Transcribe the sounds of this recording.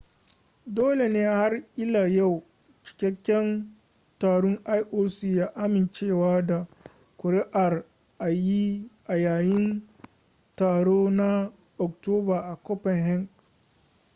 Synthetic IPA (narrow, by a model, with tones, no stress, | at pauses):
doː˦le˨neː˦ha˦rʔɪ˦laː˨ja˦˨w | t͡ʃɪ̥˨kʲɛ˦kʲːɛ˦n | taː˨ɽʊ˦ŋʔa˦jʔoː˦siː˨jaː˦ʔa˦mɪ˨nt͡ʃeː˦˨waː˦da˨ | kʷʊ˨ɾɪ˦ʔa˨r | ʔa˨ji˦ʔa˨jaː˨jɪ˦n | taː˨ɽoː˦na˦ | ʔɔ˨k̚toː˦baː˨ʔa˨kɔ˦pɛ˨ŋhɛ˦ŋɡ